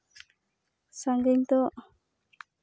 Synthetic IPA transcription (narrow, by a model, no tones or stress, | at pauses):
saŋɡɪŋt̪ɔʔ